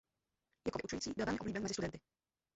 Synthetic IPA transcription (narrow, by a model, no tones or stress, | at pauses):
jakɔvjɛʔut͡ʃujit͡s̪ibɪlvɛlɲɛʔɔblibjɛnmɛzɪst̪udɛnt̪ɪ